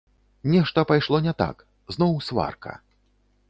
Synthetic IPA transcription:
nʲɛʂt̪ɐpajʂlˠɔnʲɛt̪a̰k | znɔwsva̰rkʰɐ̰

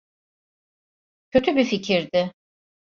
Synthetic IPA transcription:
cʰø̞t̪ʰybificʰiɾd̪ɪ

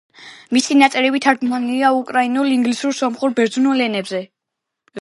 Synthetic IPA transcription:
misinat̪sʼɛɾɛbit̪ʰaɾd̪maniliaukʼɾainuliŋɡlisuɾsɔmχuɾbɛɾd̪zunɔlɛnɛbzɛ

